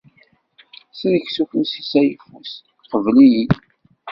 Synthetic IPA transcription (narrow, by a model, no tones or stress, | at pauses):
snəçsuknsi̥sæjəfus | qəvliji